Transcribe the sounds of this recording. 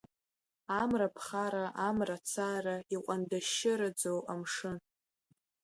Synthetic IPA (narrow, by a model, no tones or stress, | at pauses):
amrapʰχaɾaʔamrat͡sʰaraiqʷʼandaʃɪɾad͡zowamʂɨn